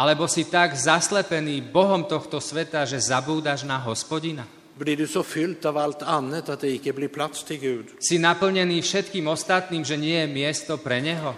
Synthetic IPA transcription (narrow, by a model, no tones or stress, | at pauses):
alɛbɔsit̪aɡzaslɛpɛniːbɔɦɔmt̪ɔxt̪ɔsʋɛt̪aʒɛzabuːd̪aʒnaɦɔspɔɟina | bliɖʉsɔfʏlt̪aʋalt̪ʰanːət̪at̪d̪ɛɪkːəblɪɾpʰlat̪st̪ʰɪlɡʉːd̪sinapl̩ɲɛniːfʃɛt̪kiːmɔst̪at̪niːmʒɛɲɪɛjɛmɪɛst̪ɔpɾɛɲɛɦɔ